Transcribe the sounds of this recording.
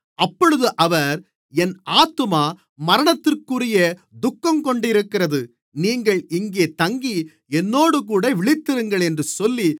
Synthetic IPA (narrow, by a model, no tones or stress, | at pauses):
ʔɐpːɔɻɯðɯʔɐʋɐɾ | ɛnʔaːt̪ːɯmaː | mɐɾɐɳɐt̪ːɪrkːɯrɪjɐ | d̪ʊkːɐmkɔɳɖɪɾɯkːɪrɐðɯ | niːŋɡɐɭɪŋɡeːt̪ɐŋɡi | ɛnːoːɽɯk̬uːɽɐʋɪɭɪt̪ːɪɾɯŋɡɐɭɛndrɯsɔlːi